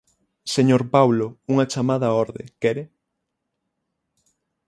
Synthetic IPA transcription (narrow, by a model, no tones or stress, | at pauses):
seɲoɾpawlouŋɐt͡ʃamaðɐɔɾðḛkɛɾe